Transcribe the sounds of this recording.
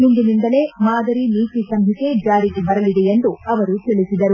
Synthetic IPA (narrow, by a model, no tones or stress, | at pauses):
ɦund̪inind̪ɐle̞maːd̪ɐɾiniːk̪isɐmɦike̞d͡ʒaːɾiɡebɐɾɐlid̪eend̪uɐʋɐɾut̪elisid̪ɐɾu